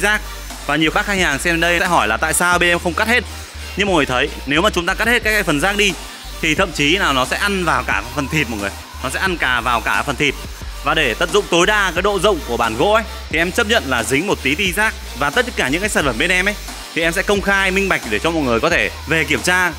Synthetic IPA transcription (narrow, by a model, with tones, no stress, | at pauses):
zaː˦˥k̚ | vaː˨˩ɲi˨˩əwxaː˦˥khaː˧jhaː˨˩ŋsɛ˧mə˧ɗə˧jɛ̰˧˥ɦɔ˧˩jlaː˨˩t̪a̰ː˧˨jsaː˧wɓe˧nʔɛ˧mxə˧wŋ͡mka˦˥t̚he˦˥t̚ | ɲɨ˧ŋ͡mm̚˨˩ŋː˨˩t̪ʰə˨˦j | ne˨˦wmaː˨˩t͡ɕʊ˨˦ŋ͡mt̪aː˧ka˦˥t̚he˦˥t̚kːaː˨˦˥kːaː˨˦fə˨˩nzaː˦˥k̚ɗi˧ | t̪ʰi˨˩t̪ʰə̰˧˨mt͡ɕi˨˦naː˨˩wnɔ˨˦sɛ̰˧˥ʔa˧nvaː˨˩wkaː˧˩fə˨˩nt̪ʰi˨˩t̚mɔ˨˩ŋɨ˨˩əj | nɔ˨˦sɛ̰˧˥ʔa˧nkaː˨˩vaː˨˩wkaː˧˩fə˨˩nt̪ʰi˨˩t̚ | vaː˨˩ɗe˧˩t̪ə̰˧˨˩p̚zʊ̰˧˨ŋ͡mt̪o˨˦jɗaː˧kaː˨˦jɗo̰˧˨zə̰˧˨wŋ͡mku˧˩əɓaː˧˩nɣo̰˧˥ʔə˨˦jt̪ʰi˨˩ʔɛ˧mt͡ɕə˦˥p̚ɲə̰˧˨nlaː˨˩zï˨˦ŋ̟mo˨˩t̚t̪i˨˦t̪i˧zaː˦˥k̚ | vaː˨˩t̪ə˦˥t̚kːaː˧˩ɲɨ̰˧˥ŋkaː˨˦jsaː˧˩fə˧˩ɓe˧nʔɛ˧mʔə˨˦j | t̪ʰi˨˩ʔɛ˧msɛ̰˧˥kə˧wŋ͡mxaː˧jmï˧ŋ̟ɓa˨˩jk̚ɗe˧˩t͡ɕɔ˧mɔ˨˩t̚ŋɨ˨˩əjkɔ˨˦t̪ʰe˧˩ | ve˨˩ki˧˩əmt͡ɕaː˧